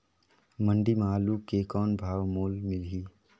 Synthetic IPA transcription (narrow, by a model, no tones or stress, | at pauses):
mə̃ɳɖimaːluːkːekɔːnbʱaːʋmoːlmɪlɦiː